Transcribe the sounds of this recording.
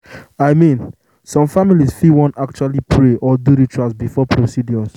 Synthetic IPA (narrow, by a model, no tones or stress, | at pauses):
aɪmĩn | sɔ̃mfamilisfiwɔ̃nak̚t͡ʃualipʰɹeʔɔduɾitɹasbifɔpʰɹosidjɔs